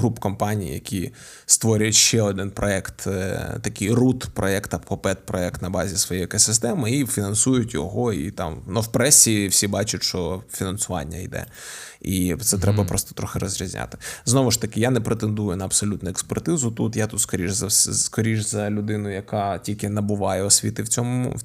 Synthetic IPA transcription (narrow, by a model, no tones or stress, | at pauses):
ɦɾupkɔmpɑnʲij̰jɐ̰kʲʰi | st̪ʋɔɾʲʊjtʲʃt͡ʃɛɔd̪ɪnpɾʔɔɛkt̪t̪ɐkɪjrut̪pɾɔɛkt̪ɐpkɔpɛt̪̚pɾɔɛkt̪nɐbɑzʲisʋɔjejekɔsɪst̪ɛmɪifʲinɐnsujʊtʲjɔ̰ɦɔḭt̪ɑ̰mnʊwpɾɛsʲiwsʲibɑt͡ʃʊtʲʃt͡ʃɔfʲinɐnsʊʋɑ̰nʲːɐ̰ḭd̪ɛ̰ | it̪sɛt̪ɾɛbɐpɾɔst̪ɔ̥t̪ɾɔxɪɾɔzʲɾʲizʲnʲa̰t̪ɪ̥znɔʋʊʃt̪ɐkɪjanɛpɾet̪end̪ujʊnɐɐbsɔlʲut̪nʊekspɛrt̪ɪzʊt̪ut̪jat̪ut̪skɔɾʲiʒzɐsskɔɾʲiʒzɐlʲʊd̪ɪnʊjɐkɑtʲilʲkɪnɐbʊʋɑjɛɔsʲʋʲit̪ɪwt͡sʲɔmʊ